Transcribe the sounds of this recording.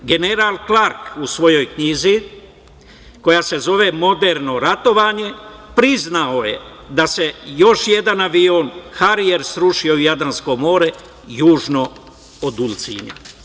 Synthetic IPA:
ɡe̞ne̞ɾalklaɾkusʋo̞jo̞jkɲiːzi | ko̞jase̞zo̞ʋe̞mo̞d̪eɾno̞ɾat̪o̞ʋaːɲe̞pɾiznaojḛ | d̪ase̞jo̞ʃje̞d̪anaʋionxaɾijeɾsɾuʃio̞ujad̪ɾansko̞mo̞ːɾe | juːʒno̞ | od̪ulˠt̪sḭnḛ

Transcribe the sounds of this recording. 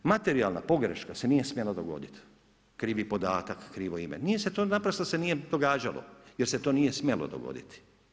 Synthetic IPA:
mat̪e̞ɾialˠna̰po̞ɡɾḛʃkase̞nije̞smʲjelad̪oɡo̞̰d̪it̪ | kɾiːʋipo̞d̪aːt̪akːɾiːʋoimenijese̞t̪onapɾost̪ose̞nijed̪o̞ɡaːd͡ʒalo̰jeɾse̞t̪oːnije̞smʲjelo̰d̪o̰ɡo̞̰d̪it̪i̥

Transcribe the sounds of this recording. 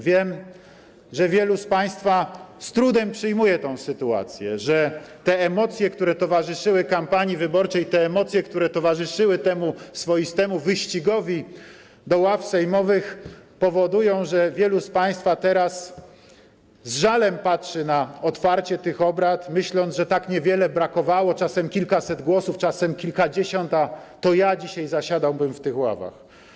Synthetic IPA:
vʲjɛm | ʐɛvʲjɛluspaj̃st̪fast̪ɾud̪ɛmpʂɘjmujɛt̪ɔ̃w̃sɘt̪ua̰t̪sʲjɛ̰ʐɛt̪ɛːmɔt̪sʲjɛkt̪uɾɛt̪ɔvaʐɘʂɘwɘkampaɲivɘbɔɾt͡ʂɛjt̪ɛːmɔt̪sʲjɛkt̪uɾɛt̪ɔvaʐɘʂɘwɘt̪ɛmusfɔjist̪ɛmuvɘɕt͡ɕiɡɔvʲi | d̪ɔwafsajmɔvɘxpɔvɔd̪ujɔ̃w̃ʐɛvʲjɛluspaj̃st̪fat̪ɛɾas | zʐalɛmpatʂɘnaɔt̪faɾt͡ɕɛt̪ɘxɔbɾat̪mɘɕlɔnʐɛt̪akɲɛvʲjɛlɛbɾakɔvawɔt͡ʂasɛmkʲilkasɛd̪ɡwɔsuft͡ʂasɛmkʲilkad͡ʑeɕɔnt̪at̪ɔjad͡ʑiɕajzaɕad̪awbɘmft̪ɘxwa̰va̰x

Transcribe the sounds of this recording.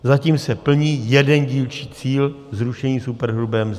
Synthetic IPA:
zaciːmsɛpl̩ɲiːjɛdɛnɟiːlt͡ʃiːt͡siːl | zɾuʃɛɲiːsupɛɾɦɾubɛːm

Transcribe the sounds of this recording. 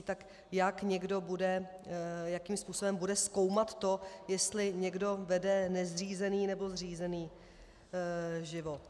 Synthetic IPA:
t̪ak | jakɲɛɡdo̞budɛ | jakiːmspuːso̞bɛmbudɛsko̞wmat̪ːo̞jɛst̪lɪɲɛɡdo̞vɛdɛnɛzr̝iːzɛniːnɛbo̞zr̝iːzɛniː | ʒɪvo̞t̪

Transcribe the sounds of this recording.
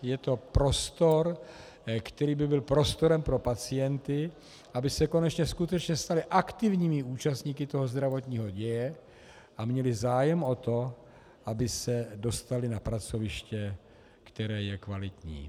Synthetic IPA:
jɛt̪o̞pɾo̞st̪o̞ɾ | kt̪ɛɾiːbɪbɪlpɾo̞st̪o̞ɾɛmpɾo̞pat͡sɪjɛnt̪ɪ | ʔabɪsɛko̞nɛt͡ʃɲɛskut̪ɛt͡ʃɲɛst̪alɪʔakt̪ɪvɲiːmɪuːt͡ʃast̪ɲiːkɪt̪o̞ɦozd̪ɾavo̞t̪ɲiːɦo̞ɟɛjɛ | ʔamɲɛlɪzaːjɛmo̞t̪o̞ | ʔabɪsɛdo̞st̪alɪnapɾat͡so̞vɪʃcɛ | kt̪ɛɾɛːjɛkvalɪt̪ɲḭː

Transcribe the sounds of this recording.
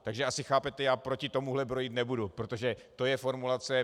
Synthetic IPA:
t̪aɡʒɛʔasɪxaːpɛt̪ɛjaːpɾo̞cɪt̪o̞muɦlɛpɾo̞jiːt̪nɛbudupɾot̪o̞ʒɛt̪o̞jɛfo̞ɾmulat͡sɛ

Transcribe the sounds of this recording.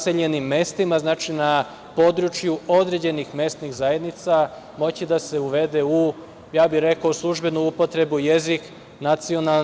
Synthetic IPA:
seʎe̞nimːe̞st̪imaznaːt͡ʃina | po̞d̪ɾut͡ʃjuo̞d̪ɾe̞d͡ʑe̞nixme̞st̪nixzaje̞d̪nit̪sa | mo̞t͡ɕid̪ase̞uʋe̞d̪e̞u | jaːbiɾe̞kaoslˠuʒbe̞nuupo̞t̪ɾe̞buje̞zik | nat̪sio̞nal

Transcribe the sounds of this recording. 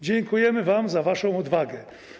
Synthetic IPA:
d͡ʑɛŋkujɛmɘvamzavaʂɔ̃w̃ɔd̪vaɡɛ

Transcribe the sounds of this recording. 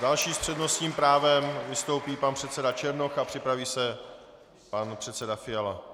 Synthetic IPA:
dalʃiːspr̝̥ɛdno̞st̪ɲiːmpɾaːvɛmvɪst̪o̞wpiːpanpr̥ɛt̪t͡sɛdat͡ʃɛɾno̞xapr̝̥ɪpɾaviːsɛ | panpr̝̥ɛt̪t͡sɛdafɪjala

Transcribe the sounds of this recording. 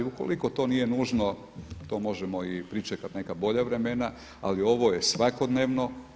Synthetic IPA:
uko̞̰liko̞t̪o̞ːnije̞nuːʒno̞ | t̪o̞ːmo̞ʒemo̞ipɾit͡ʃekat̪ne̞kabo̞ʎaʋɾe̞mena | a̰lio̞ʋo̞je̞sʋako̞d̪neːʋno̞

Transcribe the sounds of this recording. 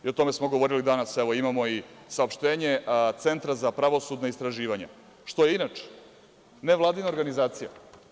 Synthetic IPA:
io̞t̪o̞me̞smoɡoʋo̞ɾilid̪anaseʋo̞imamo̞isaopʃt̪eːɲe̞t̪se̞nt̪ɾazapɾaʋo̞sud̪naist̪ɾaʒiːʋaɲa̰ | ʃt̪o̞jeinat͡ʂe̥ | neʋlˠaːd̪inaoɾɡanizaːt̪sija

